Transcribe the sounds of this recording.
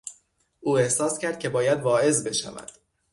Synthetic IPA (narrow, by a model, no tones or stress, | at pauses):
ʔuːe̞hsɒːscʰæɾd̪̥̚cʰe̞bɒːjæd̪vɒːʔe̞zbe̞ʃæ̰væ̰d̪̥